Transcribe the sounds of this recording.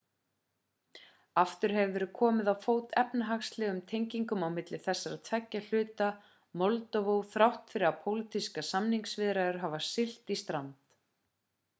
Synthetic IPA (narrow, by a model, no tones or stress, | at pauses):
aft̪ʏɾ̥ɦɛvvɛːɾʏ̥kʰɔːmɪðawfoːwt̪ɛpnaɦaxslɛːɣʏmt̪ʰejɲciŋkʏmawmɪt̪lɪθɛsːaɾat̪ʰvɛcːal̥ʏːt̪a | mɔlt̪ɔvowθɾawht̪fɪɾɪðapʰowlit̪ʰiskasamniŋksvɪðɾaðʏɾ̥ɦavasɪl̥t̪ist̪ɾant̪